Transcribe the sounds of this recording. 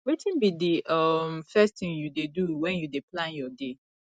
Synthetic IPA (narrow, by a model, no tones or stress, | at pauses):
wetĩnbidiʔʌmfɛstθɪ̃ŋjudeduwɛ̃njudeplãnjɔde